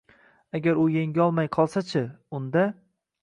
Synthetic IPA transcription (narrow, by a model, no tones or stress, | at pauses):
aɡʲaɾʊjeŋʲɒlˠmajqʰɒlˠsat͡ʃʰɪʊnd̪a